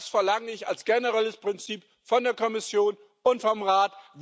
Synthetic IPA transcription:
sfɛɐlaŋəɪça̰lsɡ̥ɛnəʁɛləspʁ̥ɪnt͡siːp | fɔndeːɐkʰɔmɪsjoːn | ʔʊntfɔmʁaːtv

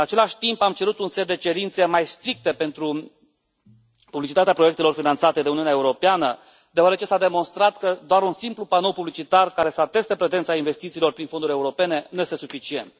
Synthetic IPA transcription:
ɨat͡ʃe̞laʃʲt̪impamt͡ʃe̞ɾut̪unset̪̚d̪e̞t͡ʃe̞ɾint̪se̞majst̪ɾik̚t̪e̞pe̞nt̪ɾu | publit͡ʃit̪at̪eapɾoje̞k̚t̪e̞lo̞rfinant̪sat̪e̞d̪e̞uniuneaeuɾo̞peanə | d̪eoaɾet͡ʃesad̪e̞mo̞nst̪ɾat̪kəd̪oaɾunsimplupano̞lpublit͡ʃit̪arkaɾe̞səat̪e̞st̪epɾe̞zent̪sainve̞st̪it̪siːlo̞rpɾinfod̪uɾʲeuɾo̞pe̞ne̞nuje̞st̪e̞sufit͡ʃie̞̰nt̪̚

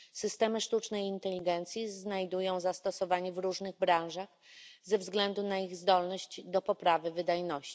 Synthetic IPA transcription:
sɘst̪ɛmɘʂt̪ut͡ʂnɛjint̪ɛlʲiɡɛnt̪sʲjiznajd̪ujɔ̃w̃zast̪ɔsɔvaɲɛvɾuʐnɘɣbɾaw̃ʐax | zɛvzɡlɛnd̪unaiɣzd̪ɔlnɔɕt͡ɕd̪ɔpɔpɾavɘvɘd̪ajnɔɕt͡ɕi̥

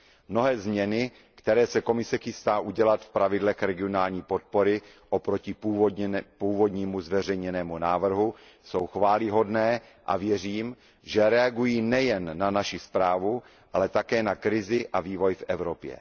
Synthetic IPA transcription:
mno̞ɦɛːzmɲɛnɪ | kt̪ɛɾɛːsɛko̞mɪsɛxɪst̪aːʔuɟɛlat̪fpɾavɪdlɛxɾɛɡɪonaːlɲiːpo̞t̪̚poɾɪ | ʔopɾo̞cɪpuːpuːvo̞dɲimuzvɛr̝ɛjɲɛnɛːmunaːvr̩ɦu | so̞wxvaːlɪɦo̞dnɛː | ʔa̰vjɛr̝iːm | ʒɛɾɛaɡujiːnɛjɛnːanaʃɪspɾaːvu | ʔalɛt̪akɛːnakɾɪzɪʔaviːvo̞jfʔɛvɾo̞pjɛ̰

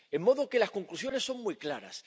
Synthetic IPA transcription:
e̞mːo̞ðoke̞lasko̞ŋklusjo̞ne̞sːo̞ŋmujklaɾa̰s

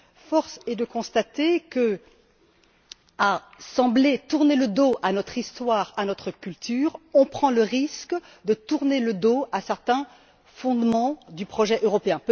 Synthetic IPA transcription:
fɔʁsɛd̪əkɔ̃st̪at̪ekə | a | sɑ̃blet̪uʁneləd̪oʔanɔt̪χist̪waʁanɔt̪χəkʲylt̪yːʁɔ̃pχɑ̃ləʁisk | d̪ət̪uʁneləd̪oasɛʁt̪ɛ̃ | fɔ̃d̪mɑ̃d̪ypχɔʒɛʔøʁɔpeɛ̃p

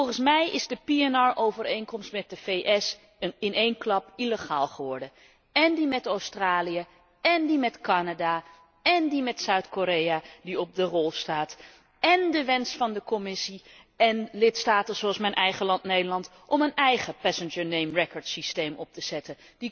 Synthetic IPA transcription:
ɔlˠχənsmɛjʔɪzdəpiɛnɑɹʔowvərejŋkɔmstmɛt̚dəvejʔɛs | ɪnejnklɑpiləχaːlˠχəʋɔɹdə | ɛndimɛtowstraːlijə | ɛndimɛtkɑnada | ɛndimɛtsœɥtkoɾejadiɔp̚dərɔlˠstaːt | ɛndəʋɛnsfɑndəkɔmɪsi | ɛnlɪtstaːtəz̥oɑlˠsmɛjnʔɛjχəlɑntnejdəɹlɑnt | ʔɔmənɛjχəpɛsənd͡ʒəɹnejmrɛkəɹtsistejmɔp̚təz̥ɛtən | di

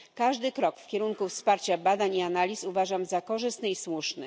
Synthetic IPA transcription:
kaʐd̪ɘkɾɔkfkʲɛɾuŋkufspaɾt͡ɕabad̪aɲianalʲisuvaʐamzakɔʐɘst̪nɘiswuʂnɘ

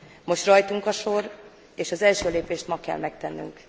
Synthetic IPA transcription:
mo̞ʃt̪rɒjt̪uŋkɒʃo̞r | eːʃɒzɛlʃøːleːpeːʃt̪mɒkɛ̰lmɛk̚t̪ɛnːy̰ŋk

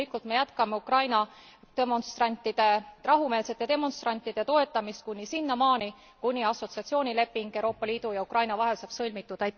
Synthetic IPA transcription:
likult̪me̞jæt̪kɑmeukrɑjnɑt̪emo̞nst̪rɑnʲt̪ːˑid̪̥e̞rɑɦume̞ːlse̞t̪jɑt̪e̞mo̞nst̪rɑnʲt̪ːˑid̪̥e̞t̪o̞e̞t̪ːˑɑmist̪̚kunʲːisinːɑmɑːni | kunʲːiɑso̞t̪siɑt̪sijo̞ːnʲile̞pːiŋɡ̥ewɾo̞ːpːˑɑliːd̪ujɑukrɑjnɑvɑɦe̞lsɑb̥sɤlʲmit̪ːˑud̪̥æj̪

